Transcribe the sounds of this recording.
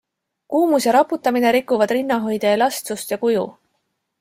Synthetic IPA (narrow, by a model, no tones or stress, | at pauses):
kuːmusjɑɾɑpːut̪ːˑɑmine̞ɾikːˑuvɑd̪rinːɑɦo̞jd̪̥eːlɑst̪sust̪jɑkujṵ